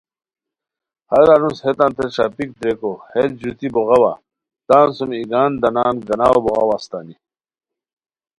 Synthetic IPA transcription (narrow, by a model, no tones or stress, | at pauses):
hɐɾanushet̪ãːnt̪eɕaːpik̚d̪ɾekohet̪̚d͡ʑut̪ibuʁɐwa̰ | t̪aːnsumiɡaːnd̪ɐnaːnɡɐnaːwobɔɣʁɐwast̪aːni